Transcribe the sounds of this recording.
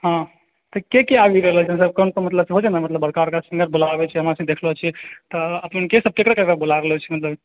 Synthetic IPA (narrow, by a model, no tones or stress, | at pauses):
ɦã | t̪ɔkekeabikəɾlɛlt͡ʃʰimət̪ləb̚kənkomət̪ləbseɦod͡ʒanamət̪ləbəɾkaɾkasĩŋɡəɾbolabɛt͡ʃʰiɦəmasə̃d̪ekʰlɔt͡ʃʰit̪ɔəpənkesəb̚kekɾekəkebolaɾəɦlt͡ʃʰimət̪ləb